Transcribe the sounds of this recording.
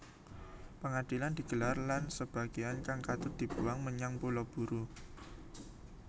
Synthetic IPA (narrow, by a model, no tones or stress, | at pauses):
pəŋad̪̥iland̪̥i̤ɡ̥əlarlansəb̥a̤ɡ̥iankaŋkat̪ʊd̪̥i̤b̥uwaŋməɲaŋpulɔb̥uɾu